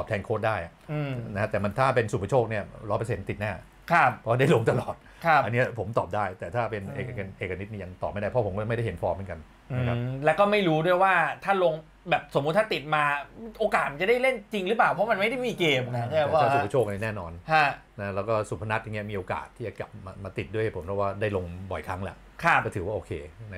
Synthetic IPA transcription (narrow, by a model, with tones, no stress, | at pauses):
tɔː˨˩p̚t̪ʰɛː˧nkʰoː˥˩t̪̚daː˥˩jʔa̰˨˩ʔɯ˧na˦kʰa˦˥t̪ɛː˨˩ma˧nt̪ʰaː˥˩pe˧nsu˨˩pʰa˦t͡ɕʰoː˥˩k̚ni˥˩ɐlɔː˧˥pa˧se˨˩˦nt̪i˨˩t̪̚naː˥˩ | kʰa˦˥˩p̚pʰɔ˦waː˥˩da˥˩lo˧ŋt̪a˧lɔː˨˩t̪̚ | kʰa˥˦˩ʔa˧nːi˦˥ɐpʰo˩˦mt̪ɔ̰ː˨˩p̚daː˥˩jt̪ɛː˨˩t̪ʰaː˥˩pe˧nʔḛ˨kːa˧knʔeː˨˩k̚ːa˧ni˦˥niː˥˩ja˧ŋt̪ɔː˨˩p̚ma˥˩jdaː˥˩pʰɔ˦˥pʰo˩˦kɔː˥˩˨ma˥˩jda˥˩hɦe˩˦nfɔː˧˥mɯ˦ŋka˧n | a˦˧kʰa˦˥lɛ˦˥kɔː˥˩ma˥˩jɾuː˦˥du˥˩jwaː˥˩t̪ʰaː˥˩lo˧ŋ | bɛː˨˩p̚so˨˩˦mː˦˥t̪ʰːaː˥˩t̪i˨˩t̪̚maː˧ʔoː˧kaː˨˩t̪ma˧t͡ɕa˨˩da˥˩jle˥˩nt͡ɕi˧ŋɾɯ˦plaː˨˩wpʰɔ˦˥ma˧nma˥˩jda˥˩jmiː˧keː˧ma˧˥˩aː˥˩ɔ˥˩u˨˩kt͡ɕʰoː˥˩k̚a˧˥˦nɛː˥˩nɔː˧nhʰa˥˩ | na˦˥lɛː˦˥wkɔː˥˩su˨˩pʰa˧na˦˥ja˨˩ŋːi˦˥ɐ˩miː˧ʔoː˧ka̰ː˨˩t̪ʰːiː˥˩t͡ɕa˨˩kla̰˨˩p̚maː˧maː˧t̪i˨˩t̪̚du˥˩əha˥˩pʰo˩˦mpʰɔ˧˥˩waː˥˩daː˥˩jlo˧ŋbɔ̰˨˩jkʰa˦˥ŋlɛ̰˦ | kʰa˦˥˩kːɔ˥˩t̪ʰɯː˩˦waː˥˩ʔoː˧˩kʰḛː˧na˦